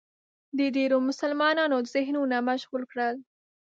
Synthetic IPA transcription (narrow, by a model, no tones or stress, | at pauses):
d̪əd̪eɾomʊsalmɑnɑnod̪əzɪɦnunamaʃɣulkɽəl